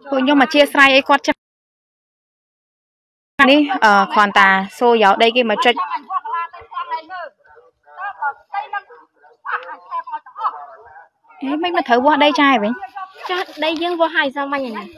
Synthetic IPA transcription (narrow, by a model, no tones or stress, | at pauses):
poəɲomat͡ɕiəʔsrajʔəjkŏət̪̚t͡ɕ | anihʔəːkʰɔənt̪aːsoːjaɗəjkeːmət͡ɕɨc̚ | ʔeːmɨc̚mɨnt̪ʰəwʋʊ̆əhɗəjt͡ɕaːʋɨɲt͡ɕahɗəjːəːŋʋoəɦajsɑmaɲana